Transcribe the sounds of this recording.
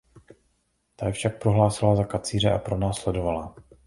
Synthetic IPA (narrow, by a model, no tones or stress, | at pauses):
t̪ajɛfʃak̚pɾo̞ɦlaːsɪlazakat͡siːr̝ɛʔa̰pɾo̞naːslɛdo̞vala